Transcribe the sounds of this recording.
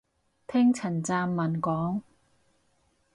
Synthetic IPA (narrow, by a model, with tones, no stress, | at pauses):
t̪ʰɛː˥ŋt͡sʰɐ˨˩nt͡saː˧mːɐ˨˩nkɔː˨˥ŋ